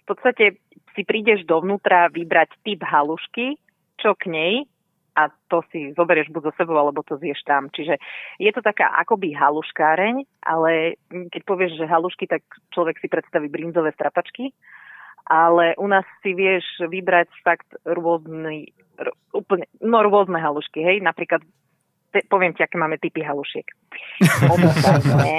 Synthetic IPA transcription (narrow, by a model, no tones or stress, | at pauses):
fpɔt̪st̪acɛ | sipɾiːɟɛʒd̪ɔʋnuːt̪ɾaʋibɾact̪ibɦaluʃki | t͡ʃɔkɲɛj | ʔat̪ɔsizɔbɛɾɪɛʒbuɟzɔsɛbɔʊalɛbɔt̪ɔzjɛʃt̪amt͡ʃiʒɛjɛt̪ɔt̪aka̰ːʔa̰kɔbiɦaluʃkaːɾɛɲʔa̰lɛkɛc̚pɔʋɪɛʒʒɛɦaluʃkit̪akt͡ʃlɔʋɛksipɾɛt̪st̪aʋiːbɾind͡zɔʋɛːst̪ɾapat͡ʃki | ʔalɛʔunaːsːiʋɪɛʒʋibɾacfakt̪ɾʊɔzni | ɔ | uːpl̩ɲɛnɔɾʊɔznɛɦaluʃkiɦɛjnapɾiːklat̪ | t̪ɛpɔʋɪɛmciakɛːmaːmɛt̪ipiɦaluʃɪɛk | ɔbiaɛɲɛ